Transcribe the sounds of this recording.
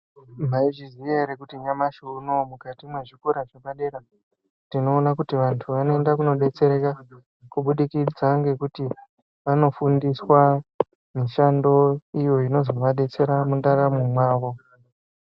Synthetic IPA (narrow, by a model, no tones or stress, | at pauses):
maiʐizijaɾekutiɲamaʃunomukatimwe̞ʐikuɾaʐeɓaɗeɾa | tino̞ːnakutiʋantʰuʋano̞e̞ndakuno̞ɗe̞t͡se̞ɾe̞ka | kuɓuɗikid͡zaŋɡe̞kuti | ʋano̞fundiswa | miʃando̞ijo̞ino̞zo̞ʋaɗe̞t͡se̞ɾamundaɾamumwaːʋo̞